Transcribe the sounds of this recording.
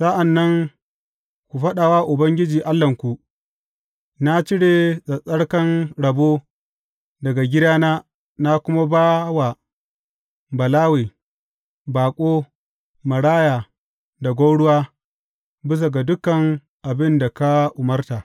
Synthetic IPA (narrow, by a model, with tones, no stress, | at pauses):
sa˦ʔa˨nːɐ˦ŋ | kʷu˨ɸɐ˦ɗa˨waː˦ʔʊ˨bɐ˦ŋɡʲɪ˦d͡ʒiː˨ʔa˦lːɐ˨ŋkʷu˨ʔ | na˦t͡ʃɪ˦ɽe˨sʼɐ˨sʼɐ˦ɽkɐ˦nɽɐ˨boː˦ | dɐ˨ɡa˨ɡʲɪ˦daː˦naː˦ | na˦kʷʊ˦ma˦baː˦wa˨ | bɐ˨laː˦weː˨ | baː˨kʷʼoː˦ | mɐ˨ɽaː˦jaː˨ | da˨ɡʷa˦wɽʊ˦waː˦ | bɪ˦s̬a˨ɡa˨dʊ˦kːɐ˨ŋ | ʔa˨bɪ˦nda˨ka˦ʔʊ˨mɐ˦rtaː˨